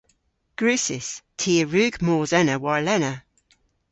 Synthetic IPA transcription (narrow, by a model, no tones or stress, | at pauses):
ɡ̥ɹʉˑsɪstʰiːəɹʉːɡmɔːzɛnəwaɹlɛnə